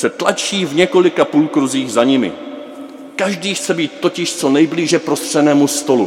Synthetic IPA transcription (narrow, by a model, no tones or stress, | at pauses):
sɛt̪lat͡ʃiːvɲɛko̞lɪkapuːlkɾuziːɣzaɲɪmɪ̰ | kaʒdiːxt͡sɛbiːt̪̚ːo̞cɪʃt͡so̞nɛjbliːʒɛpɾo̞st̪r̝̥ɛnɛːmust̪o̞lu